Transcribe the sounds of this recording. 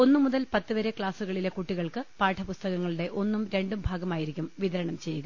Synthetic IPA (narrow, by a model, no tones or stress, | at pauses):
o̞nːɨmuðɐlpɐt̪ːɨʋɐɾe̞kɭaːsuɣɐɭile̞kuʈːiɣɐɭkɨpaːʈʰɐpust̪ɐɣɐŋːɐɭuɽe̞ʔo̞nːumɾe̞ɳɖumbʱaːɡɐmaːjiɾikʲːumʋiðɐɾɐɳɐmt͡ɕe̞jːuɣɐ